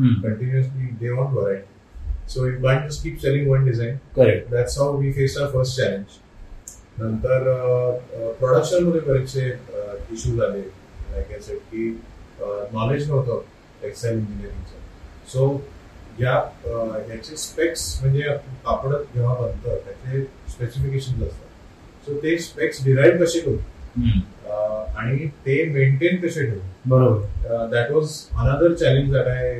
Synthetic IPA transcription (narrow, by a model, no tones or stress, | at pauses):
kəɳʈinjuslid̪eʋɔ̃ɳʈɔɾaɪʈ | soɪʈʋãj̃ɳʈuskiːp̚t͡ɕelĩŋɡʋə̃nɖizãɪ̃nkəɾed̪æʈsɦawʋiːfesaʊɾfəɾsʈ̚t͡ɕælẽɲd͡ʑ | nənt̪əɾ | pɾɔɽəkɕənməd̪ʱekəɾat͡ɕeiɕuːd͡zale | lajkasəʈ̚kiː | nɔled͡ʑnəɦt̪o | eksajlĩɲd͡ʑiniəɾĩŋsə | so | ɦjaɦjat͡ɕespeksm̤əɳd͡zeapəkapɽət̪d͡ʑeʋ̤abənt̪ət̪jat͡sespesifikeɕənd͡zəst̪at̪ | sot̪espeksɖiɾaiʋkəɕekət̪ | aɽ̃it̪eʋeɳʈenkəɕeʈʰelbəɾobəɾd̪æʈʋɔzənəd̪əɾt͡ɕælẽɲd͡ʑd͡zaʈa